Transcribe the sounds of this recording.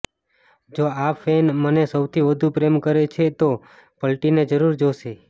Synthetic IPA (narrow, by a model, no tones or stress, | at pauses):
d͡ʒoafenmənesəwt̪ʰiʋəd̪ʱupɾemkəɾet͡ʃʰet̪o | pəlʈined͡ʒəɾuɾd͡ʒoʃe